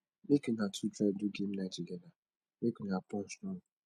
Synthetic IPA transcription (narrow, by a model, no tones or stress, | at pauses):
mekinatʰudɾab̚dʊɡem̩nat͡ʃiɡena | mekinapɔ̃nstɔ̃ŋ